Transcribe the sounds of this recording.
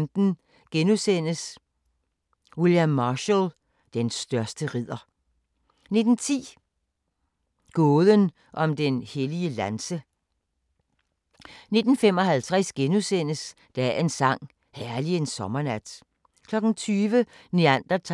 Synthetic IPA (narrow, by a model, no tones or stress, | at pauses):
md̥n̩ | ɡ̥enusen̰əs | wiljæmːɑːɕæl | d̥ensd̥ɶɐsd̥əʁið̰ˠɐ | ne̝d̥n̩t͡sʰḭː | ɡ̥ɔːðˠən | ʔɒ̽md̥enheliəlænsə | ne̝d̥n̩fem̰ɒ̽hælt͡sʰʁaɛsɡ̥enusen̰əs | d̥ææɐe̝nsɑ̈ŋ̰ | hæɐlie̝nsɒ̽mɐnæd̥ | kʰlɒ̽ɡ̥n̩t͡sʰyːʋəniænd̥ɐt͡sʰ